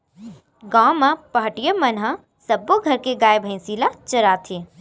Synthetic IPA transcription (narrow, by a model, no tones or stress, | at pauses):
ɡãːmãpɐɦəʈijəmɐnɦã | sɐbːoɡʱɐɾkeɡaːjbʱə̃ɪ̃silat͡ʃɐɾaːt̪ʰẽ